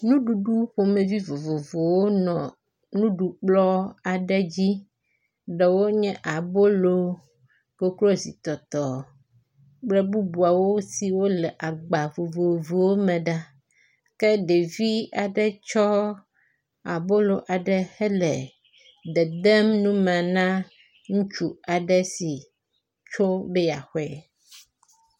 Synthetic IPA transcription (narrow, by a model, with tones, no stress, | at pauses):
nũ˦ɖu˨ɖu˦ɸo˨mẽ˨vi˦vo˨vo˨vo˨wo˦nɔ̃˨ | nũ˦ɖu˨k͡plɔ˦a˨ɖɛ˦d͡ʑi˦ | ɖɛ˨wo˦ɲɛ̃˦ʔa˨bo˦lo˦ | ko˦klo˦si˨t̪ɔ˨t̪ɔ˨ | k͡plɛ˦bu˦bu˨a˨wo˦si˨wo˦lɛ˨ʔa˨ɡ͡ba˨vo˨vo˨vo˨wo˦mɛ̃˨ɖa˦ | kɛ˦ɖe˨vi˦a˨ɖɛ˦t͡ʃɔ˦ | a˨bo˦lo˨ʔa˨ɖɛ˨hɛ˦lɛ˨ | ɖɛ˨d̪ɛ˦mnũ˦mɛ̃˨nã˦ | ŋũ˦t͡ʃu˦a˨ɖɛ˦si˨ | t͡ʃo˦bɛ˦ja˨xɛ˦